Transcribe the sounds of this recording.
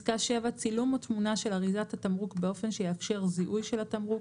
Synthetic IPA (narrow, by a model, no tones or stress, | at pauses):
kaʃevat͡silumotmunaʃe̞laʁizatatamʁukbe̞o̞fe̞nʃejeafʃe̞ʁziʔujʃe̞latamʁu